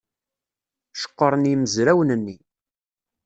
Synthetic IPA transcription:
ʃə̥qːəɾˤnjiməzɾæwənənːi

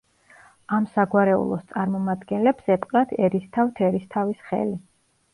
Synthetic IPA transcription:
amsaɡwaɾɛṵlˠɔst̪sʼaɾmɔmad̪ɡɛnlɛpsɛpʼqʼɾat̪ʰɛɾist̪ʰaft̪ʰɛɾist̪ʰavisχɛ̰li

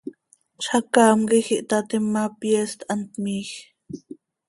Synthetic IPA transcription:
t͡ʃʰakaːmɡixiʔt̪at̪imːapjeːst̪ʔant̪̚miːx

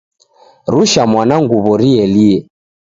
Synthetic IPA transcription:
ɾuʃamwanaŋɡuβɔɾiɛliɛ

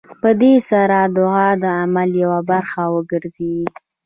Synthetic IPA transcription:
pəd̪esaɾad̪ʊɣɑd̪əamaljawabaɾxawəɡəɾzeɡi

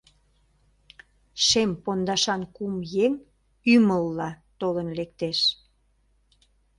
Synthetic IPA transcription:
ʃempond̪ɑʃɑnkumjeŋ | yməlːɑ | t̪olənlek̚t̪eʃ

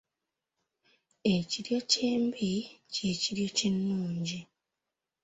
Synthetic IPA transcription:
eciɾjo̞ceːmbice̞ciɾjo̞cinːuːɲɟi

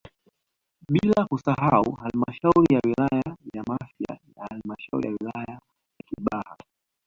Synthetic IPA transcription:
ɓilakusaɦauhalimaʃauɾijawilajajamafia̰jahalimaʃaṵɾḭjawilaja | jakiɓaha

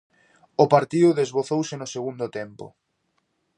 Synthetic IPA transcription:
ʊpaɾt̪iðʊðezβoθowsɪnʊseɣund̪ʊt̪ɛmpʊ̰

